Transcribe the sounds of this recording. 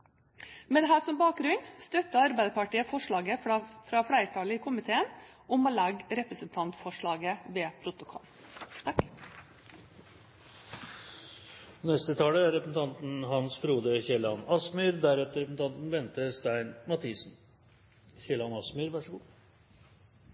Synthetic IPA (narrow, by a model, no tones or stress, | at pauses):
mɛd̪ɛɦæːsɔmbɑːk̚ɡɾʉnst̪œt̪ːəɑɾbæɪd̪əpɑʈiːəfɔʂɭɑːɡəfɾɑfɽæɪəʈʰɑːləiːkʰʊmɪt̪ʰeːən | ɔmoːlɑɡɾɛpɾəsənt̪ʰɑnt̪fɔʂɭɑːɡəʋeːpʰɾʊt̪ʊkʰɔ̰lt̪ʰɑk | nɛst̪ət̪ʰɑːləæɾɛpɾsn̩t̪ʰɑnt̪n̩ɦɑnsfɾuːd̪əçɛlɑnɑsmyːɾd̪æɾɛt̪əɾɛpəsn̩t̪ɑnt̪n̩ʋɛnt̪əst̪æɪnmɑt̪ʰiːsn̩ | çɛlɑnɑsmyːɾʋæʂəɡuː